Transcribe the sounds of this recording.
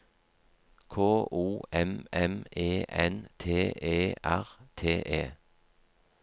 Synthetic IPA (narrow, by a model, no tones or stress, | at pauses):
kʰoːʔuːɛmɛmeːʔɛnt̪ʰeːʔeːʔæʁt̪ʰeːʔeː